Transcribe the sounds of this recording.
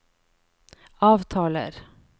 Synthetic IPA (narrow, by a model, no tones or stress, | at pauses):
ɑːvt̪ʰɑːlə̰ɾ